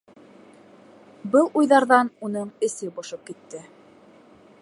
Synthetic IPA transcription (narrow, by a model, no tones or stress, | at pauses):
bɤlˠujðɑɾðɑnunɤɴɘ̆sɘbŏʃɤp̚kit̪ːɘ